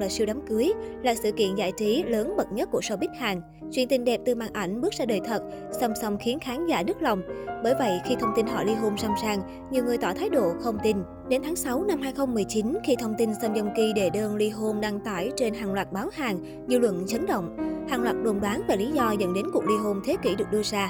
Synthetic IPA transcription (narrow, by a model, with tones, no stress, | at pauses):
laː˨˩si˧wɗaː˨˦mkɨ˨˦əjlaː˨˩sɨ̰˧˨kḭ˧˨ənza̰ː˧˥jt͡ɕi˨˦ləː˨˦nɓə˨˩t̚ɲə˦˥t̚ku˧˩əso˧ɓi˦˥k̚haː˨˩ŋ | t͡ɕwi˧˩ənt̪i˧ŋɗɛ˨˩p̚t̪ɨ˨˩maː˧˩nʔa˧˩jŋ̟ɓɨ˦˥k̚zaː˧ɗəː˨˩jt̪ʰə˨˩t̚ | sə˧wŋ͡msə˧wŋ͡mxi˨˦ənxaː˨˦nza̰ː˧˩nɨ˦˥k̚la˨˩wŋ͡mɓəː˧˩jvə̰˧˨jxi˧t̪ʰə˧wŋ͡mt̪i˧nɦɔ̰˧˩jli˧ɦo˧msaː˧wmsaː˧ŋ | ɲi˨˩əwŋɨ˨˩əjt̪ɔ˧˩t̪ʰaː˨˦jɗo̰˧˨xə˧wŋ͡mt̪i˧n | ɗe˨˦nt̪ʰaː˨˦ŋsa˨˦wna˧mɦaː˧jxə˧wŋ͡mmɨ˨˩əjt͡ɕi˨˦nxi˧t̪ʰə˧wŋ͡mt̪i˧nsə˧wŋ͡mzə˧wŋ͡mki˧ɗe˧˩ɗəː˧nli˧ɦo˧nɗa˧ŋt̪aː˧˩jt͡ɕe˧nɦaː˨˩ŋlwaː˨˩t̚ɓaː˨˦whaː˨˩ŋ | zɨ̰˧lwə̰˧˨nt͡ɕə˨˦nɗə̰˧˨wŋ͡mhaː˨˩ŋlwaː˨˩t̚ɗo˨˩nɗwaː˨˦nve˨˩li˨˦zɔ˧zə̰˧˥nɗe˨˦nku˨˩ək̚li˧ɦo˧nt̪ʰe˨˦ki˧˩ɗɨ˨˩k̚ɗɨ˧əzaː˧